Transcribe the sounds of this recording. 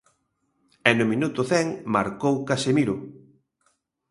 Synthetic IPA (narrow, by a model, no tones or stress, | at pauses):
ɛnʊmĩnut̪ʊθɛŋma̰ɾkowkasemiɾʊ